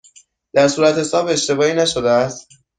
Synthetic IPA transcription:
d̪̥æɾsuːɾæt̪he̞sɒːbe̞ʃt̪e̞bɒːiːnæʃod̪eæst̪

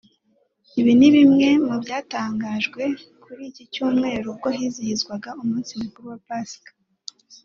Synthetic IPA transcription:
iβiniβimŋe̞mubɟaːtaːŋɡaʒɡwe̞kʰuɾiːcicuːmŋe̞ːɾub̚ɡoɦizihizɡwaɡaumuːnsimikuɾuwapaskḁ

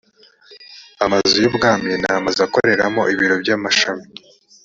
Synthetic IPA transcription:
amazujibɡaːminaamazako̞̰ɾe̞ɾa̰mo̞ʔiβiɾo̞bjaːmaʃami̥

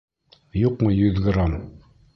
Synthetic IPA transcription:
juqmɤjɵðɡrom

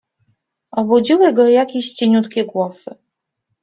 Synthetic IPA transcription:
ɔbud͡ʑiwɘɡɔjakʲiɕt͡ɕeɲʲut̪kʲiɡwɔsɨ

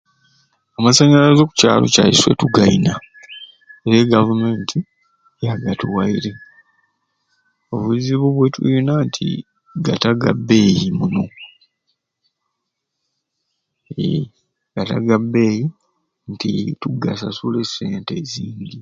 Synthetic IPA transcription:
amasaːɲɡalazo̞ːku̥ca̰ːlo̞̰ca̰jḭswe̞̰tuɡaina | eɾeɡavume̞ːntʰi | jaɡatuwaiɾe̞ | o̞βuziβuβwetʰṵjinantʰḭ | ɡataɡa̰bːe̞ːjimuno̞ | ḛ | ɡata̰ɡabe̞ːji | ntḭtuɡasasule̞seːnteziːɲɟi

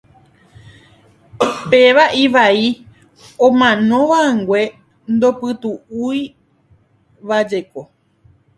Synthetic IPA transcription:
pe̞ʋaʔiʋai | õmãnõ̞ʋaaŋɡwe̞ | nd̪o̞pɨt̪uui | ʋad͡ʒe̞ko̞

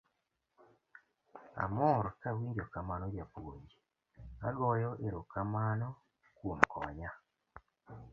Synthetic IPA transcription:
a̰moɾkawiɲd͡ʒokamanɔjapod͡ʒi | aɡɔjɔʔeɾokamanɔ | kwom̩kɔɲa

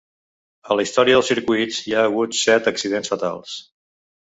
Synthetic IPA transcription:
ələist̪ɔɾiəðəlˠsiɾkuit͡sjaːɣut̪sɛt̪əksiðensfət̪a̰lˠs

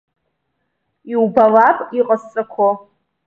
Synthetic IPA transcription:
iwbalapʼiqʼast͡sʼakʷʰo

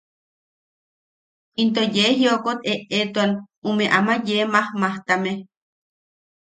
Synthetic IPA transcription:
int̪ojeɦiokot̪eʔet̪uan | umeʔamajemahmaht̪ame

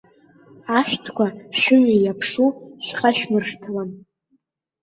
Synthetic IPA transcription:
aʃᶣtʰkʷʰaʃʊmijapʰʂuʃᶣχaʃᶣmɨrʂtʰalan

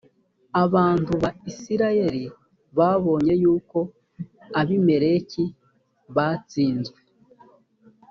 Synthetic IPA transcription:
aβaːntuβaisiɾaje̞ɾi | βaβo̞ɲe̞juːko̞ | aβime̞ɾe̞ci | βat͡siːnzɡwe

